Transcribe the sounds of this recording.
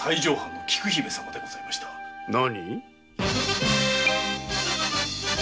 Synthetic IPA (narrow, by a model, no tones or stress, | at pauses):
saiʑo̞ːhãnːo̞kʲi̥kɯ̟çibesãmːad̪e̞ɡo̞z̥aimaɕi̥t̪ʰḁnaɲi